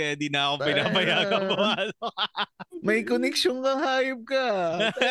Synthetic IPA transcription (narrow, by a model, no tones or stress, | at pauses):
ɛd̪ɪnaɐkopɪnaːmɐjaːkɐbɐwaːlo | mɐjkonɛkʃonkɐŋhaːjʊp̚kɐ